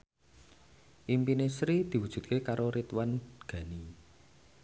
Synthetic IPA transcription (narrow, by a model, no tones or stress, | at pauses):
ʔimpinesɾid̪̥i̤wud̥ʒ̥ṳt̪̚kekaɾʔoɾit̪wanɡ̥ä̤ni